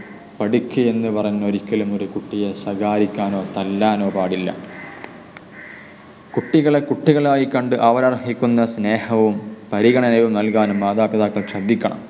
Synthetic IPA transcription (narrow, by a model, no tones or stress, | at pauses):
pɐɽikʲːɨe̞nːɨpɐrɐɲuɲːnːoɾikʲːɐlumoɾukuʈːijeɕɐɡaːɾikʲːaːno̞ːt̪ɐlːaːno̞ːpaːɽilːɐ̰ | kuʈːiɣɐɭekuʈːiɣɐɭaːjikɐɳɖɨʔaːʋɐɾɐrɦikʲːunːɐsne̞ːhɐʋumpɐɾiɣɐɳɐnɐʋumnɐlkaːnumːaːd̪aːpiðaːkːɐɭɕrɐd̪ʱːikʲːɐɳɐ̰m